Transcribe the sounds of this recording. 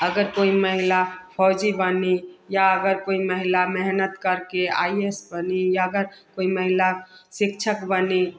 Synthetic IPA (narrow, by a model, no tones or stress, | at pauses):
əɡəɾkoiməɦilapʰɔd͡ʒibənijaəɡəɾkoiməɦilamɛɦnət̪kəɾkea̰iesbənijaəɡəɾkoiməɦilasɪkt͡ʃʰəkbəni